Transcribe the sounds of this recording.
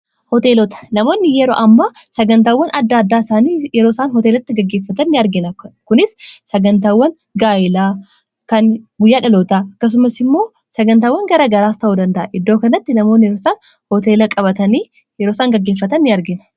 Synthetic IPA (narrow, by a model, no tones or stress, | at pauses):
hɔt̪eːlɔt̪ɐ̥nɐmo̞ːnːɪjɛɾo̞̰ːʔɐmːɐsɐɡɐnt̪aːwːɐnʔɐd̪ːaːd̪ːaːɪsaːniːjɛɾoːsaːnɦɔt̪eːlɐt̪ːɪɡɐɡːeːfːɐt̪ɐnːɪɐɾɡɪnɐkʊnɪsːɐɡɐnt̪aːwːɐn | ɡaːɪlaː | kɐnbʊjːaːᶑɐlot̪aɐkːɐs̬ʊmɐsɪmːo̞ː | sɐɡɐnt̪aːwːɐŋɡɐɾɐɡɐɾaːst̪ɐʔuːd̪ɐnd̪ɐʔɐʔɪd̪ːo̞ːkɐnɐt̪ːɪnɐmo̞ːnːɪjɛɾoːsaːn | hɔt̪e̞ːlɐkʼɐbɐt̪ɐniː | jɛɾoːsaːŋɡɐɡːe̞ːfːɐt̪ɐnːɪɐɾɡɪnɐ̥